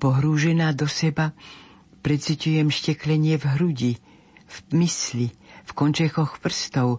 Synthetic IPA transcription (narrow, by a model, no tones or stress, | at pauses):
pɔɦɾuːʒɛnaːd̪ɔsɛba | pɾɛt̪sicujɛmʃcɛklɛɲɪɛvɦɾuɟi | vmislifkɔnt͡ʃɛxɔxpr̩st̪ɔʊ